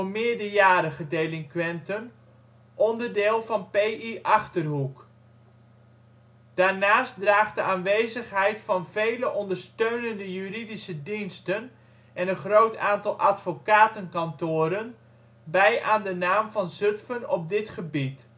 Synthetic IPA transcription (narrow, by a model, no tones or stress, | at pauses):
mɪːɹdəɹjaːɾəχədejlɪŋkʋɛntən | ʔɔndərdɪːlˠvɑnpejiʔɑχtərɦuk | d̥aːɹnaːstdraːχdəaːnʋejzəχɦɛjtfɑnvejləʔɔndəɹstøɥnəndəjyːridisədinstən | ɛnənχrowtaːntɑlˠʔatfokaːtənkɑntʊːɾən | bɛjʔaːndənaːmvɑnzɵtfənɔp̚dɪtχəbit